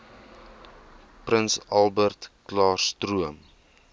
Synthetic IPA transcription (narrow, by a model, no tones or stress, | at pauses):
prənsɐlˠbərtklɑːrstruəm